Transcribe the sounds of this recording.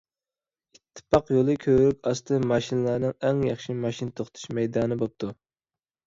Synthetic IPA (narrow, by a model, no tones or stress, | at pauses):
it̪ʰːɨ̥pʰɑqjolˠɨkʲʰøɾykʲɑst̪ʰɨmɑʃinlˠɑɾnɨŋɛŋjɑχʃimɑʃinɨt̪ʰoχt̪ʰu̥ʃmɛjd̪ɑːnɨbop̚t̪ʰu